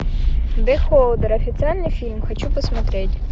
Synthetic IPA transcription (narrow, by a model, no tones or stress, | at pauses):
d̪ɪxɔlˠd̪ɛɾɔfʲit̪sɨɛnʲnɪjfʲilʲmxɔt͡ɕupɔsmɐt̪ɾɪtʲ